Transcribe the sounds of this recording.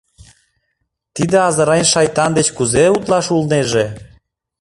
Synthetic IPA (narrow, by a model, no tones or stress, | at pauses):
t̪id̪ĕɑzɤɾɑjnʲʃɑjt̪ɑnd̪et͡ɕkuzeut̪lɑʃulneʒe